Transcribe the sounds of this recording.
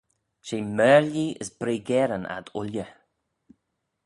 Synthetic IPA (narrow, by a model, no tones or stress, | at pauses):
ʃiːmɛːɹliə̰zbɾiːɡɛɾəna̰d̪ʊ̰ljə